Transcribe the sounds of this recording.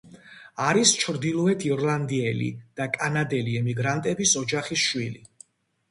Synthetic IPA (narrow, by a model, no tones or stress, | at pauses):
aɾist͡ʃʰɾd̪ilˠɔɛt̪ʰiɾlˠand̪iɛlḭd̪̥akʼanad̪ɛliɛmiɡɾant̪ʼɛbisɔd͡ʒaχisʃwili